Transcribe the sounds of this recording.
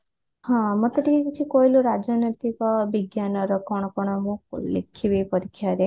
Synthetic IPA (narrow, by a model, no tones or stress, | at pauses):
hãmɔt̪əʈikekit͡ʃʰikojluɾad͡ʒanət̪ikɔbiɡjanɔɾɔkɔɽ̃ɔkɔɽ̃ɔmũlḛkʰːibejpɔɾikʰjaɾe